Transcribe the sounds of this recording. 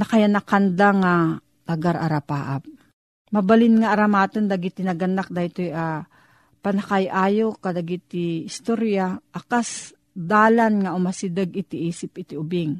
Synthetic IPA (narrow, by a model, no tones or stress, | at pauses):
nakajanakand̪aŋa | t̪ɐɡaɾʔa̰ɾapaːʔap̚ | mɐbalɪnŋaːɾamaːt̪ənd̪aɡit̪inɐɡɐnak̚d̪ajt̪ojʔa | pɐnakajʔaːjokːad̪aɡit̪iɪst̪oɾjaʔakas | d̪aːlanŋaʔʊmasid̪əɡɪt̪ɪʔiːsɪpɪt̪iʊbɪŋ